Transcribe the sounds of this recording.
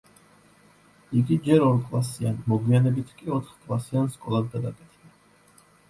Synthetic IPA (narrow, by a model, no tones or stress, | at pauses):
iɡid͡ʒɛɾɔɾkʼlˠasianmɔɡwianɛbit̪ʰkʼiɔt̪ʰχkʼlˠasianskʼɔlˠad̪ɡad̪akʼɛt̪ʰɛb̪a